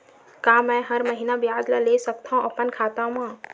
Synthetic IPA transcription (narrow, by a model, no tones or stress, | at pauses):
kaːmɛ̃ɦəɾməɦinabjaːd̪lalesək̚t̪ʰaɦũɐpənkʰaːt̪amãː